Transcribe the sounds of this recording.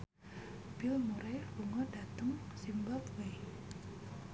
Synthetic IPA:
b̥ilmuɾebuŋɔɖat̪əŋsimbap̚we

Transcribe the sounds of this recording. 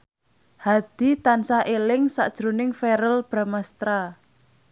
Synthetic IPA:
had̪̥i̤t̪ansaʔelɪŋsa̰ʔd̥ʒ̥ɾunɪŋfeɾəlb̥ɾamast̪ɾa

